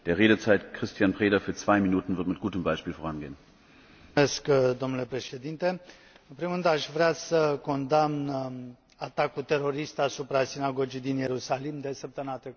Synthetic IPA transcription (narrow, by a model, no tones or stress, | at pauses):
d̥eːɐʁeːdət͡saɪtkʁ̥ɪstʰjanpʁ̥eːdɐfyːɐt͡sv̥aɪminuːtn̩vɪɐtmɪt̚ɡ̥uːtəmbaɪʃpiːlfoʁanɡeːən | eskd̪o̞mnule̞pɾe̞ʃe̞d̪int̪e̞ | ɨnpɾimuɾɨnd̪aʃvɾeasəko̞nd̪amn | at̪akut̪e̞ɾo̞ɾist̪asupɾasinaɡo̞d͡ʒijd̪inje̞ɾusalimd̪esep̚t̪əmnat̪ɾek